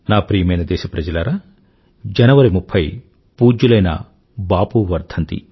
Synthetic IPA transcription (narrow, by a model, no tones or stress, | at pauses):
naːpɾiːjɐmɐjnɐd̪ɛːʃɐpɾɐd͡ʒɐlaːɾɐ | d͡ʒɐnɐʋɐɾimupʰːɐj | puːd͡ʒːulɐjnɐ̰ | baːpuʋɐɾd̪ʱɐnt̪ḭ